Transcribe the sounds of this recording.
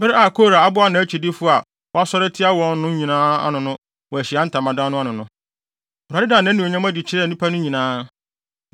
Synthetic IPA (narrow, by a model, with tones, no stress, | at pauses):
bɪ˦ɾɪ˦a˨kʰo˦˨ɾa˨a˦bʊ˦a˦nã˨˦t͡ɕʰᶣi˨dɪ˦fʊ˦a˨ | wɔ˦a˦sɔ˦ɾɛ˦tʰɪ˦a˦wɔ̃˨nː˦ʊ̃˦ɲĩ˨nãː˦a̰˦nʊ̃˨nʊ̃˦ | wɔ˨æ˨ɕɪ˨a˦n̩˦tʰã˨mã˨dã˦nʊ̃˦a˦nʊ̃˨nʊ̃˦˨ | a˨dɪ˦dãː˨nã˦nĩ˨ɲã˦m˦æ˦di˨t͡ɕʰɪ˦ɾɛ˦˨nũ˦pʰa˦nʊ̃˦ɲĩ˨nãː˦